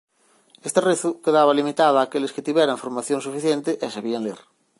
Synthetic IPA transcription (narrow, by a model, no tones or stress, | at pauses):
est̪ereθukeðaβalimit̪aðaːkelesket̪iβjeɾaɱfoɾmaθjoŋsufiθjent̪eʔesaβiaŋlḛɾ